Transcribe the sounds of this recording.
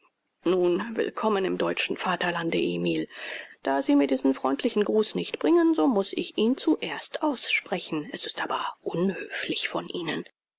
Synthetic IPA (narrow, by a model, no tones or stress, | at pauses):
nuːnvɪ̰lkʰɔmənɪmdɔʏt͡ʃn̩faːtɐlandəʔeːmiːld̥aːziːmiːɐdiːzn̩fʁ̥ɔʏntʰlɪçn̩ɡʁuːsnɪçtb̥ʁɪŋənzoːmʊsɪ̰çʔiːnt͡suʔeːɐstʔaʊsʃpʁ̥ɛçn̩ɛsɪstʔaːbɐʔʊnhøːflɪçfɔnʔiːnən